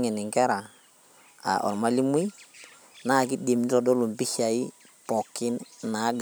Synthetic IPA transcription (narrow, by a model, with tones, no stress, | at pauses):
ŋɛ˨nɪ˨ŋkɛ˦ɾa˨ | a̰˨ʔɔ̰˨ɾma˦li˦mi˦ | na˦˨ki˦de˨mn˦tɔ˨dɔ˦lu˨mpi˦ʃa˨ɪ˦ | pɔ˨kɪ˦nna˨˦ɡ